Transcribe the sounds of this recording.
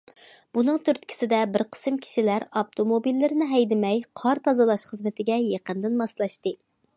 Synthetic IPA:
b̥unɨŋt̪ʰyɾt̪̚kʲʰi̥sɪd̪ɛbɪɾqʰə̥sɨmkʲʰi̥ʃilæɾɑp̚t̪ʰomobilːɪɾɪnɪɦɛjd̪ɪmɛjqʰɑɾt̪ʰɑzɨlˠɑʃχəzmɪt̪ʰɪɡʲɛjeqənd̪ɨnmɑslˠɑʃt̪ɨ

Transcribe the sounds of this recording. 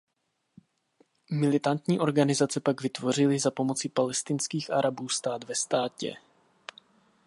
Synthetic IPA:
mɪlɪt̪ant̪ɲiːʔo̞ɾɡanɪzat͡sɛpaɡvɪt̪vo̞r̝ɪlɪzapo̞mo̞t͡sɪpalɛst̪ɪnskiːxʔa̰ɾabuːst̪aːd̪vɛst̪aːcɛ̰

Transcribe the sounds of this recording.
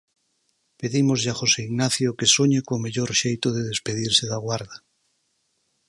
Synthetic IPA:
peðimozʎaχoseiɣnaθjokesoɲekomeʎoɾʃejt̪oðeðespeð̞iɾseðaɣwaɾða

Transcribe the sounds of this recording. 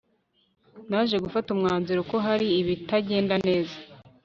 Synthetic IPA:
naːʒe̞ɡufatumŋaːnziɾoko̞ɦaɾiːβitaɟe̞ːndane̞ːza

